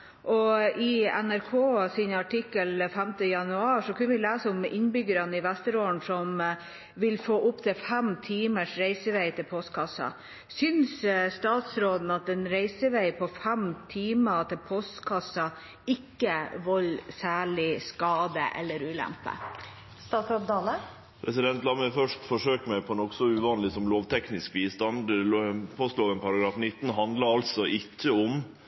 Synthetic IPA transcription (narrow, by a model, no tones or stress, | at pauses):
ʔɔɪɛnæɾkʰoːsɪnɑʈʰɪkːəlfɛmt̪əjɑnʉɑːʂɔkʰʉnəʋɪlæːsəɔmɪnbʏɡəɾɑnəɪʋæst̪əɾoːəɳsɔm | ʋɪlfoːʔʊpːt̪ʰɪfɛmt̪ʰiːməʂɾeɪsəʋeɪt̪ʰɪlpʰɔst̪kʰɑsːɑ̰ | sʏnsst̪ɑːt̪sɾoːd̪n̩ɑt̪ɛnɾeɪsəʋeɪpʰɔfɛmt̪ʰiːmət̪ʰɪlpʰɔst̪kʰɑsɑ | ɪkːəʋɔlsæːɭɪskɑːd̪ə̰ʔɛ̰lːəɾʉːlæ̰mpə̰ | st̪ɑːt̪sɑpd̪ɑːlə | pʰɾɛsɪd̪ɛnt̪lɑməfœʂʈfɔʂøːkəmæɪpʰɔnɔksɔʉʋɑːnlɪsɔmloːʋt̪ʰɛknɪskʋiːst̪ɑnd̪pʰɔst̪loːʋənpʰɑɾɑɡɾɑːfnɪt̪ːn̩ɦɑnd̪lɑɑlsɔʔɪkːəɔm